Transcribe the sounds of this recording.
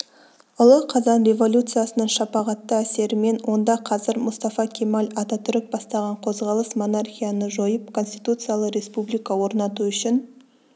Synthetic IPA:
ʊlˠəqʰɑzɑnɾe̞vo̞lʲut̪sɨjasənəɴʃɑpɑʁɑt̪ːəæse̞ɾɪme̞nwʔo̞nd̪ɑqʰɑzɪɾmʊst̪ɑfɑkʲʰemalʲɑt̪ɑt̪ʰʏɾɪk̚bɑst̪ɑʁɑɴqʰo̞zʁɑlˠəsmo̞narxʲijanəʒo̞jəp̚kʰo̞nsʲt̪it̪ut̪sɨjalˠəqɾʲe̞spublijkɑwo̞ɾnɑt̪uʏʃɪn

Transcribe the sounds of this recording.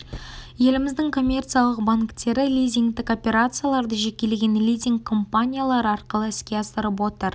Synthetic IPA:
je̞lɪmɪzd̪ɪŋkʰo̞mʲːe̞rt̪sɨjalˠəq̚baŋkt̪e̞ɾɪlʲijzʲiŋɡt̪ɪko̞pʲe̞ɾat̪sɨjalˠɑɾd̪əʒekʲe̞leɡʲe̞nlʲijzʲiŋkʰːo̞mpanʲijalˠɑɾəɑɾqəlˠəɪskʲe̞ɑst̪əɾəp̬wo̞t̪əɾ

